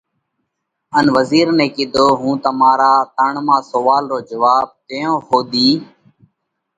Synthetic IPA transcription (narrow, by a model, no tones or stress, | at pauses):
ənʋəziːɾnẽːkɪd̪ʱoːɦũːt̪əmaːɾaːt̪əɳmãːsoʋaːlɾoːd͡ʒəʋaːb̚t̪ejõːɦoːd̪iː